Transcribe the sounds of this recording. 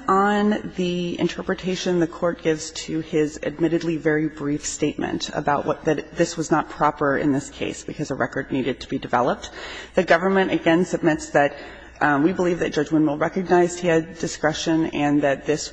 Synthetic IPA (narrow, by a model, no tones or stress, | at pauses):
n̩ðiɪ̰̃ntʰɜ˞pɹɨtʰeɪʃɨ̃nðɨkʰɔɹt̚ɡ̥ɪvz̥tʰɨɪzɨ̰d̚mɪɾɨdˡlivɛɹibɹifsteɪt̚mɨ̰̃ntə̰baʊʔ̚wʌ̰t̪̚ðɨɾðɪswʌznət̚pʰɹ̥ɑpə˞ɨ̰̃nðɪskʰeɪsb̥ɨkʰʌzəɹʔɛ̰kə˞dⁿniɾɨd̚tʰəbidɨvɛ̰lˠəp̚t̚ðɨɡʌvə˞mɨ̃ñɨɡɛ̃nsɨb̚mɪtsðɨt̚ | wibəlivðɨt̚d̥ʒ̥ʌd͡ʒwɪ̃nmwɪlˠɹɛkɨɡ̚naɪz̥d̚hiɨdɨskɹ̥ɛʃɨ̃nɨ̃nðɨt̪̚ðɪs